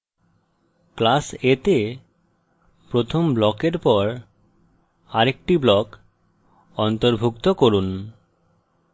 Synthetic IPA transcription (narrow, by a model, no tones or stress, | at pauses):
klaset̪e | pɾot̪ʰomblɔkeɾpɔɾ | aɾek̚ʈiblɔk | ɔnt̪oɾbʱukt̪okoɾun